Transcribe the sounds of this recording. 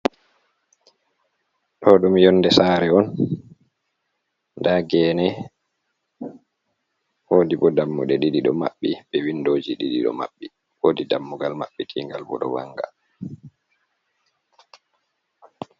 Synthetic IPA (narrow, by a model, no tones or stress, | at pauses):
ɗɔɗɔmjɔndɛsaːɾɛɔn | ndaɡɛːnɛ | hoːdibɔdamːṵɗɛɗiɗiɗɔma̰ɓːiɓɛwindoːd͡ʒiɗiɗiɗɔ̰ma̰ɓːi | wodidamːuɡalmaɓːitʰiŋɡalbɔ̰ɗɔwa̰ŋɡa